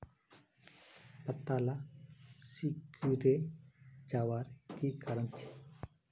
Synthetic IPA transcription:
pɐt̪ːala | sikuɾe | d͡ʒawaɾkikaɾənt͡ʃʰe̥

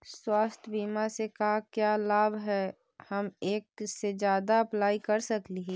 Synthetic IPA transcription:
swaːst̪ʰbiːmasekaɦkjaːlaːbʱɦɛ | hɐmeːk̚sed͡ʒjaːd̪aɐplaːikɐɾsɐkliɦiː

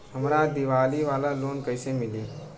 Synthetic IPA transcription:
ɦəmɾad̪ɪʋaːliʋaːlaloːnkəɪsemɪliː

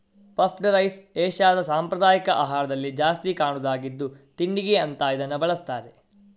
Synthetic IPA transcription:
pɐpʰɖɐɾɐjseːʃaːd̪ɐsaːmpɾɐd̪aːjikɐʔaːɦaːɾɐd̪ɐlːid͡ʒaːst̪ikaːɳud̪aːɡid̪ːut̪iɳɖiɡeɐnt̪aːid̪ɐnːubɐɭɐst̪aːɾe

